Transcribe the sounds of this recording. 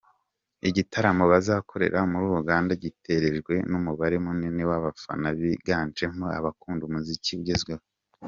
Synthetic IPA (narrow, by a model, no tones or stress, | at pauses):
iɟitaɾamo̞βazaːkʰo̞ɾe̞̰ɾaomuɾuːɾuɡaːndaɟitʰe̞ɾe̞ʒɡwe̞numuβaɾemuninewaβafa̰naβiɡaːnt͡ʃe̞ŋhoa̰βakuːndumuziciβuɟezɡweβo